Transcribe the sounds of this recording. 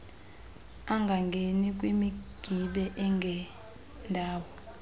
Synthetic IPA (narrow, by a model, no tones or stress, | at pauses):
aŋɡʱaŋɡʱenik̬ʼwimiɡ̥ʱiɓɛʔɛŋɡʱɛ | ndʱaːwɔ